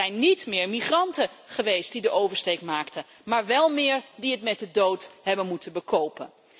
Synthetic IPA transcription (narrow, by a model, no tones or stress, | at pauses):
ɛjnːitmɪːɹmiχrɑntə | χəʋejst̚didəʔowvəɹstejkmaːktə | maːɹʋɛlˠmɪːɹdiətmɛt̚dədowtɦɛbənmutənbəkowpən